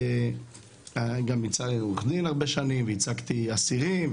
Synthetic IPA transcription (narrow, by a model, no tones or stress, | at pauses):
aɡamit͡saiuχd̪inhaʁbeʃanimveit͡sakt̪iasiʁim